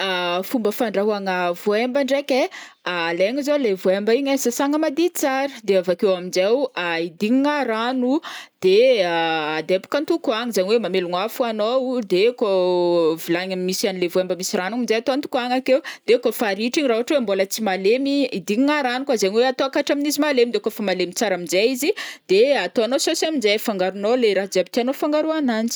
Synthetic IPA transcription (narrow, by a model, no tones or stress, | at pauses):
afumbəfaɳɖ͡ʐaɦuaŋəvuembəɳɖ͡ʐekʲe | aleŋizolevuembəiɲesasaŋəmad̪it͡saɾəd̪eavakewaminzewaid̪iɲiŋaɾanud̪̥e | ad̪epu̥kənt̪ukuaŋizaɲiwemameluŋafuanowd̪ekovilaɲamiːisianilevuambəmisiranaminzejat̪oant̪u̥kaŋakewd̪̥ekofaɾiʈ͡ʂiɲraɦuaʈ͡ʂwembolət͡simalemiid̪iɲiŋaɾanukwazaɲiweat̪oakaʈ͡ʂaminizimalemid̪ekofamalemit͡saɾaminzeizid̪̥eat̪oanososiaminzefaŋɡaɾunoleɾaɦd͡zabit̪ianofaŋɡaɾuanant͡si̥